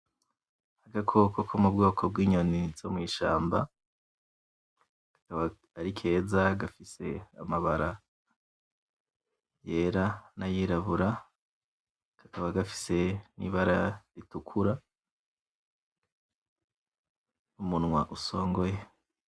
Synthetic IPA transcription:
aɡakʰo̞kʰokʰomub̚ɡoːkʰo̞bɡiːɲonivz̥o̞miːʃa̰ːmba | kḁkaβaː | ɾikʰe̞ːzaɡafise̞̰amaβaɾa | je̞ːɾanajiːɾaβuɾa | kḁkaβaɡafi̥se̞nḭβaɾaɾitukʰuɾa | umunŋwaʔuso̞ːŋɡo̞je

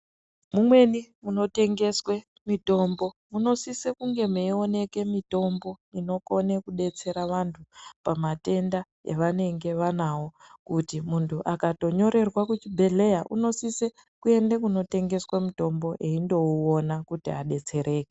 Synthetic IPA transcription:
mumwe̞nimuno̞te̞ŋɡe̞swe̞ | mito̞ːmbo̞muno̞sisekuŋɡe̞meione̞ke̞mito̞mbo̞ino̞ko̞ne̞kuɗe̞t͡se̞ɾaʋantʰupamate̞nda | ḛʋane̞ŋɡe̞ʋanawo̞ | kutimuntʰuʔakato̞ɲo̞ɾe̞rwakut͡ʃibʱe̞ɮe̞jaʔṵno̞sise | kue̞ndekuno̞te̞ŋɡe̞swamito̞mbo̞ʔe̞indo̞uːnakutiaɗe̞t͡se̞ɾʔe̞ːke

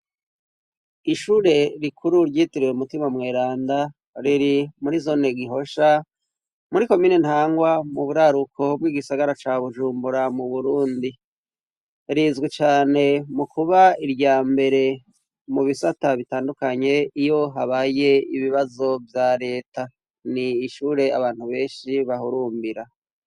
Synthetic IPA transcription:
iʃuːɾe̞ɾikʰuɾuɾɟiːtiɾiweumutimamŋeːɾaːnda | ɾiɾimuɾizo̞ne̞ɡiɦo̞ʃa | muɾiko̞miːnen̥haːŋɡwamuβuɾaɾukʰo̞b̚ɡiːɡisaɡaɾat͡ʃaːβuʒuːmbuɾamuβuɾuːndi | ɾizɡit͡ʃaːne̞mukuβaiɾjaːmbe̞ɾe̞ | muβisataβitaːndukaɲe̞ijo̞ɦaβaːje̞iβiβazo̞vjaːɾe̞ːta | niːʃuːɾe̞a̰βaːn̥huβe̞ːnʃiβaɦuɾuːmbiɾa

